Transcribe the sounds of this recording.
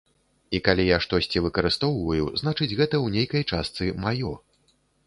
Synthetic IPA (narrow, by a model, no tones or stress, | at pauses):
ikalʲijaʂt̪ɔsʲt͡sʲivɨkɐɾɨst̪ɔwvɐjuznat͡ʂɨd͡zʲɣɛt̪ɐwnʲejkɐjt͡ʂast̪sɨmajɔ